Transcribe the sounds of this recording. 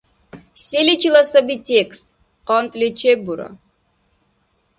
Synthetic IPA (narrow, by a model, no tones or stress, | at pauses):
sʲelʲit͡ʃʰilˠɐsɐbitʲekst̪̚ | qɔnt̪ʼlʲet͡ʃʰebuɾɐ̰